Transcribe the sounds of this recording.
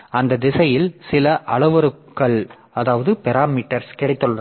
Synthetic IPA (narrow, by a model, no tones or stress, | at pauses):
ɐnd̪ɐd̪ɪsɐjɪlsɪlɐʔɐɭɐʋɐɾɯkːɐɭ | ɐðaːʋɐðɯpɛɾaːmiːʈːɐɾskɛɽɐɪt̪ːɯɭːɐ